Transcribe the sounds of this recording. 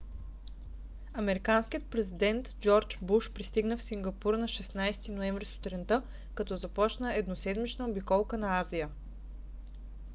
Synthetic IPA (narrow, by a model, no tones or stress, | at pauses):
ɐmɛɾikanskʲijət̪̚pɾɛzid̪ɛnt̪d͡ʒɔɾt͡ʃbuʃpɾist̪iɡnəfsiŋɡɐpuɾnɐʃɛsnajst̪inoɛ̃ɱvɾist̪o̥t̪ɾɛnt̪ɤ | kɐt̪ɔzɐpɔt͡ʃnəɛd̪nosɛd̪mit͡ʃnəobikɔlˠkənɐazijə